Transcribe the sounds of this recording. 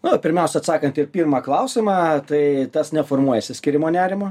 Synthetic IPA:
nʊpʲɪɾʲmʲɛʊsʲɛɐt̪sɑːkɐnt̪ɪrpʲiːrmɑːklˠɐʊsʲɪmɑːt̪ɐɪt̪ɐsnʲɛfoːrmuɔjɛsʲɪsʲkʲɪɾʲɪmoːnʲæːɾʲɪmoː

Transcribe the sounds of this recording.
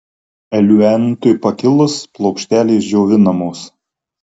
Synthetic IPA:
ɛlʲuɛnʲt̪ʊjpɐkʲɪlˠʊsplˠɔʊkʃʲt̪ʲæːlʲeːsd͡ʒʲoːʋʲɪnɐmoːs

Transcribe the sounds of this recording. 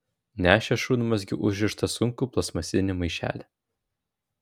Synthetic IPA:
nʲæːʃʲɛʃuːnʲʊmɐs̬ʲɡʲɪʔʊʒʲʋʲɪʃt̪ɐsʊŋkuːplˠɐsmɐsʲɪnʲɪmɐɪʃʲæ̰ːlʲɛ

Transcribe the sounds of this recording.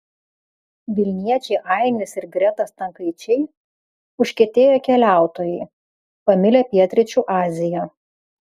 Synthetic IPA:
ʋʲɪlʲnʲiɛt͡ʃʲɛɪʔɑɪnʲɪsɪɾɡɾʲɛt̪ɐst̪ɐŋkɐɪt͡ʃʲɛɪ | ʊʃʲkʲɛt̪ʲeːjoːkʲɛlʲæˑʊt̪oːjɛɪ | pɐmʲɪlʲeːpʲiɛt̪ʲɾʲɪt͡ʃʲuːʔɑːzʲɪjoː

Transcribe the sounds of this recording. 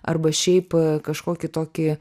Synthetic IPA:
ʔɐ̰rbɐʃʲɛɪpkɐʃkoːkʲɪt̪oːkʲɪ

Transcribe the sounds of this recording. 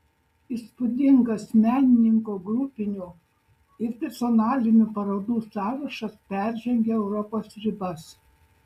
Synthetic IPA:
ispʊd̪ʲɪŋɡɐsmʲæːnʲɪnʲɪŋkoɡɾʊpʲɪnʲuˑ | ɪɾt̪ʲɛsʲɔnɑːlʲɪnʲupɐɾoːd̪uːsɑːʋɐʃɐspʲæˑɾʲʒʲɛŋʲɡʲeɛʊɾɔpoːsɾʲɪbɐs

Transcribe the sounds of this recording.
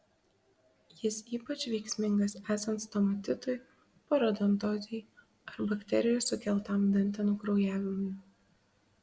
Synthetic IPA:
jɪsiːpɐt͡ʃʲʋʲɛɪksʲmʲɪŋɡɐsæːsɐnt̪st̪ɔmɐt̪ʲɪt̪ʊj | pɔɾɐd̪ɔnt̪oːzʲɛɪ | ɐɾbɐkʲt̪ʲɛɾʲɪjosʊkʲɛlˠt̪ɐmd̪ɐnʲt̪ʲɛnuːkɾɔʊjæːʋʲɪmʊj

